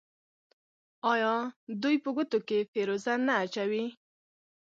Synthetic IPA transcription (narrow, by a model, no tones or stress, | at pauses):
ɑjɑd̪ujpəɡʊt̪okefeɾozanːaːt͡ʃawi